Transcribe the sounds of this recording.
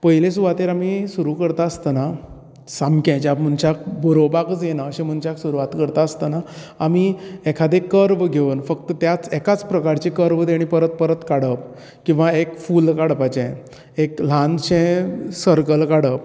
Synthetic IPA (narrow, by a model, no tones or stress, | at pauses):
pəɦilesuʋat̪eɾamisuɾukəɾt̪aəst̪əna | samkɛ̃t͡ɕapm̤əɳt͡ɕak̚bəɾobakət͡sjenaəɕẽm̤əɳt͡ɕaksuɾuʋat̪kəɾt̪aəst̪ənaː | miɛkʰad̪ekəɾʋɡʱeʋənfəkt̪ət̪jat͡sɛkat͡spɾəkaɾt͡ɕekəɾʋd̪eɽ̃ipəɾət̪̚pəɾət̪kaɽəp̚ | kĩw̃ʋaekfulkaɽpat͡ɕɛ̃ | ekl̤ãnɕɛ̃səɾkəlkaɽəp